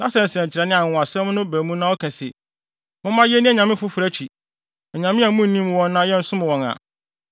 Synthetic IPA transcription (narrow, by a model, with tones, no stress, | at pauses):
nã˦sɛ˨n̩˨sɛ̃˨ɲ˨t͡ɕʰɪ˨ɾɛ˨nɪ̃˦a˨ʊ̃˨a˨sɛ̃˦mnʊ̃˦bæː˨mũ˦nã˦ɔ˦kʰɛ̃˨sɪ˨ | mʊ̃˦mã˦jɛ˦nɪ̃˦ɛ˨ɲã˨mɪ̃˦fʊ˦fɾæ˦t͡ɕʰi˨ | ɛ˨ɲã˨mɪ̃˦a˨˦mũ˦˨nĩ˦m˨wɔ̃˦nːãː˦jɛ˦n̩˦sʊ̃˦m̃˨wɔ̃˨na̰˨